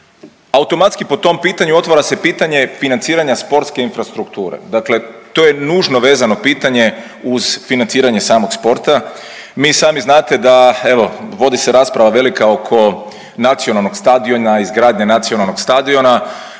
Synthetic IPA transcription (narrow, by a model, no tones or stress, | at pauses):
aut̪o̞mat̪skipo̞t̪o̞mpiːt̪aɲuo̞t̪ʋaɾase̞piːt̪aɲe̞finant̪siːɾaɲaspo̞ɾt̪ske̞infɾast̪ɾukt̪uːɾḛd̪akle̞t̪oːjenuːʒno̞ʋe̞ːzano̞piːt̪aɲe̞ | uz̥finant̪siːɾaɲesaːmo̞ɡspo̞ɾt̪a | miːsaːmiznaːt̪e̞d̪ae̞ʋo̞ʋo̞d̪iseɾaːspɾaʋaʋe̞likao̞kʰo̞ | nat̪sijonalˠno̞ɡst̪ad̪io̞naizɡɾaːd̪ɲenat̪sionalˠno̞ɡst̪ad̪io̞na